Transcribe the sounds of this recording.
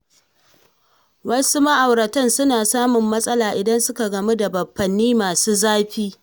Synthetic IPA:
wɐ˦su˦mɐ˦ʔa˨wɽɐ˨tɐ˦˨nsʊ˦naː˨saː˦mʊ˨mːɐ˦sʼɐ˦laː˨ʔɪ˨dɐ˦nsʊ˦ka˨ɡɐ˨me˦da˨bɐ˨ɸːɐ˨nːiː˦maː˨suː˦zaː˦ɸiː˦

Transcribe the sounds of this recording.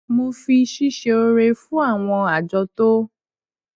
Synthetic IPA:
mo˧fi˧ʃi˦ʃe˧o˧ɾe˧fũ˦a˦˨w̃ɔ̃˧a˨d͡ʒɔ˧to˦

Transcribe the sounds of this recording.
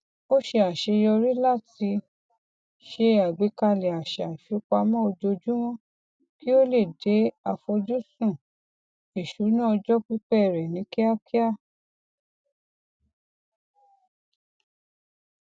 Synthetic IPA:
o˦ʃe˧a˨ʃe˧jɔ˧ɾi˦la˦˨ti˧ | ʃe˧a˨ɡ͡be˨˦ka˧le˨a˨ʃa˨ʃu˨˦k͡pa˧mã˦o˧d͡ʒo˧d͡ʒũ˦w̃ɔ̃˦ | ki˦o˦le˦˨de˨˦a˧fo˧d͡ʒu˦sũ˦˨ | e˨ʃu˨˦nã˦ɔ˧d͡ʒɔ˦k͡pi˦k͡pɛ˦˨ɾɛ˨nĩ˨˦ki˦a˦ki˦a˦˨

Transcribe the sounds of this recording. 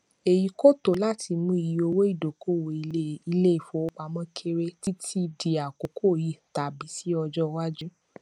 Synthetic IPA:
e˨ji˨˧˦ko˦˨to˨˦la˦˨ti˧mũ˦i˨ji˨o˧wo˦i˦˨do˨ko˦˨wo˨˧˦i˧le˦i˨fo˨˦o˧˦k͡pa˧mɔ̃˦kʰe˧ɾe˧ti˦tʰi˦di˧a˨ko˨˦kʰo˦˨ji˨ta˨bi˨˦si˦ɔ˧d͡ʒɔ˦˧wa˦d͡ʒu˦

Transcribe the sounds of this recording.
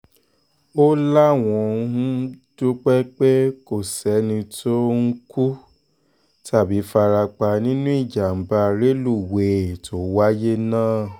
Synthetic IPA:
o˦la˦˨w̃ɔ̃˧˦hũ˦d̥o˦k͡pɛ˦k͡pe˦ko˦˨sɛ˨˦nĩ˧tʰo˦ŋ̩˦ku˦ | ta˦˨bi˨˦fa˧ɾa˧k͡pa˧nĩ˦nũ˦i˦˨d͡ʒa˨m̩˨ba˧ɾe˦lu˦˨we˨tʰo˨˦wa˦je˦nãː˦˨

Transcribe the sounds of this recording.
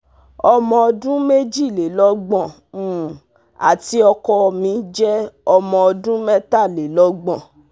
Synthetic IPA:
ɔ˧mɔ̃˧ɔ˧dũ˦me˦d͡ʒi˦˨le˨lɔ˦ɡ͡bɔ̃˦˨ | a̰˨ti˦ɔ˧kɔ˧mĩ˧˦d͡ʒɛ˦ɔ˧mɔ̃˧ɔ˧dũ˦mɛ˦ta˦˨le˨lɔ˦ɡ͡bɔ̃˦˨

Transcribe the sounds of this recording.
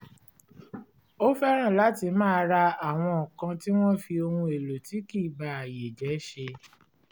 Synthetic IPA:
o˦fɛ˦ɾ̃ã˦˨la˨˦ti˧mãː˦˧ɾa˧a˨w̃ɔ̃˧ɔ˨kã˧ti˦w̃ɔ̃˦fi˧o˧hũ˧e˨lo˨ti˨˦ki˦˨ba˨a˨je˨d͡ʒɛ˨˦ʃe˧

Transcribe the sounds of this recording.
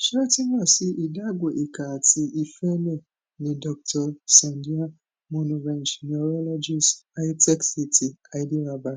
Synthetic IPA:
ʃɛ˦ɛ˦ti˦mɔ̃˦˨si˦ʔi˨da˦ɡʷo˨ʔe˨ka˨ti˧i˨fɛ˦lɛ̃˦˨ | nĩ˨dɔ˨k̚tʰɔ˨sã˨ndi˦ã˦ | mɔ̃˦nũ˨vɛ̃˨n˨ʃi˨nɔ˨ɾɔ˦lɔ˦d͡ʒi˦sa˦jtɛ˦ksi˦˨tʰi˨a˨i˦di˦ba˨ba˦

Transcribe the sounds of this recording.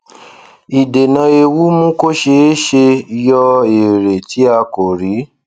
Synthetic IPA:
i˨de˨nã˧e˧wu˦mũ˦ko˦ʃe˧e˦ʃe˧jɔ˧e˨ɾe˨ti˨˦a˧ko˨ɾi˨˦

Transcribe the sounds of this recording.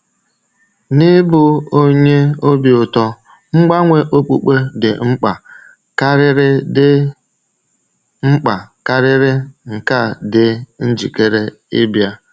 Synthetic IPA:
nɪ˦bʊ˦o˦ɲe˦o˦bi˨ʊ˨tɔ˦ | ŋ͡m̩˦ɡ͡ba˦ŋʷe˦ʔo˦k͡pṵ˦k͡pe˦dɪ˨ŋ͡m̩˦k͡pa˨ | ka˦ɾɪ˦ɾɪ˦dɪ˦ | ŋ͡m̩˦k͡pa˨ka˦ɾɪ˦ɾɪ˦ŋ̩˨ka˦˨dɪ˦n̩˦d͡ʒi˨ke˦ɾe˦ | ɪ˦bja˦

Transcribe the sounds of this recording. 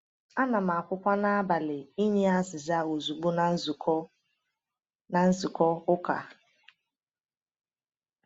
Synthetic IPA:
a˦na˨m̩˨a˨kʷʊ˦kʷa˦na˦a˦ba˨lɪ˨i˦ɲe˦a˦sɪ˨za˦o˨zu˨ɡ͡bu˦n˦zkɔ˦ | na˨n̩˦zu˨kɔ˦ʊ˦ka̰˨

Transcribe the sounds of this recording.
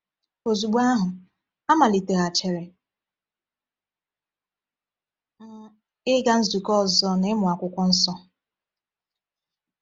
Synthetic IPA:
o˨zu˨ɡ͡bu˦a˦ɦʊ˨ | a˦ma˨li˨te˨ɣa˨t͡ʃe˨ɾe˨˦ | ɪ˦ɡa˦n̩˦zu˨kɔ˦˨zɔ˦nɪ˦mʊ˨a˨kʷʊ˦kʷɔ˦n̩˦sɔ˦

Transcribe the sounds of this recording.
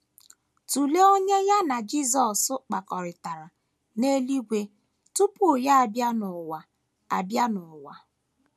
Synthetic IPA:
tu˨le˦o˦ɲe˦ja˦na˨d͡ʒi˦zɔ˨sʊ˦k͡pa˨kɔ˨ɾɪ˨ta˨ɾa˨ | ne˦li˦ɡʷe˦ | tu˦pʊ˦ja˦a˨bja˦nʊ˨wa˨ | a̰˨bja˦nʊ˨wa˨

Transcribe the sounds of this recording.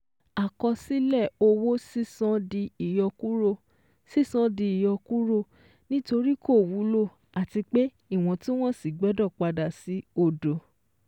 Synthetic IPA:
a˨kɔ˧si˦lɛ˦˨o˧wo˦si˦sɔ̃˧˦di˧i˨jɔ˧ku˦ɾo˦ | si˦˨sɔ̃˧di˧i˨jɔ˧ku˦ɾo˦˨ | nĩ˦to˧ɾi˦kʰo˦˨wu˨˦lo˦˨ | a˨ti˧k͡pe˦ | i˦˨w̃ɔ̃˧tĩ˦w̃ɔ̃˦si˨ɡ͡bɛ˨˦dɔ˦˨k͡pa˧da˨si˨˦o˧˨do˨

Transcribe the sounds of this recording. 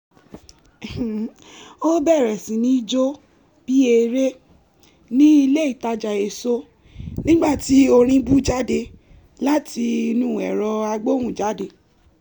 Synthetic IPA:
o˦bɛ˦˨ɾɛ˨sĩ˨˦nĩ˨˦i˦d͡ʒo˦ | b̥i˦e˧ɾe˦ | nĩ˦i˧le˦i˦˨ta˧d͡ʒa˨e˨so˦ | nĩ˦ɡ͡ba˦˨ti˨˦o˧ɾ̃ĩ˧bu˦d͡ʒa˦de˧ | la˦ti˧i˧nũ˦˨ɛ˨ɾɔ˧a˧ɡ͡bo˦wũ˦˨d͡ʒa˨˦de˧

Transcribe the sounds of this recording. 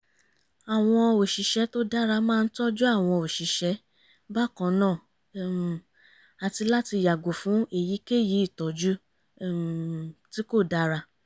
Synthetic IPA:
a˨w̃ɔ̃˧o˨ʃi˨ʃɛ˨˦to˦da˦ɾa˧mãː˦˧n̩˦tɔ˦d͡ʒu˦a˦˨w̃ɔ̃˧o˨ʃi˨ʃɛ˨˧˦ | ba˦˨kɔ̃˧nãː˦˨ | a˨ti˧la˦ti˧ja˨ɡo˨fũ˨˦e˨ji˨˦ke˦˨ji˨˦i˦˨tɔ˨d͡ʒu˦ | ti˦ko˦˨da˦ɾa˧

